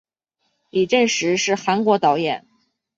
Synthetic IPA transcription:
li˨˩ʈ͡ʂə˥˩nʂɻ̩˧˥ʂɻ̩˥˩xa˧˥nkwɔ˧˥t̪ɑ˧˥ʊjɛ˨˩˦n

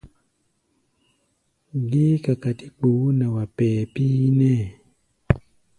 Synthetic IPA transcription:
ɡi˦ka˨ka˨ti˦k͡pu˨˦na˨wa˨pɛ˨piː˦nɛ˦˨

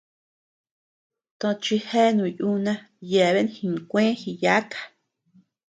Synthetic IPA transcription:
t̪õ˧t͡ʃi˧he˦nũ˨ju˦nã˧ | je˨βe˦n˦hi˧˨ŋ˨kʷẽ˦hi˧ja˦kḁ˨

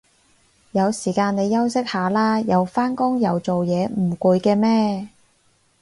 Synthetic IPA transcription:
jɐ˨˧wsiː˨˩kaː˧ne˨˧jːɐ˥wsɪ˥k̚haː˨˥laː˥jɐ˨˧wfaː˥nkʊ˥ŋjɐ˨˧wt͡so˨wjɛː˨˧m̩˨˩ku˧jkɛː˧mɛː˥

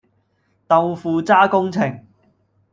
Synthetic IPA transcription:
t̪ɐ˨˧wfuː˨˧t͡saː˥kʊ˥ŋt͡sʰɪ˨˩ŋ

